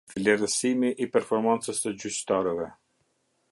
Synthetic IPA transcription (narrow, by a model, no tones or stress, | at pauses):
vlɛɾəsimiʔːpɛɾfɔɾmant͡səst̪əd͡ʑyt͡ɕt̪aɾɛvɛ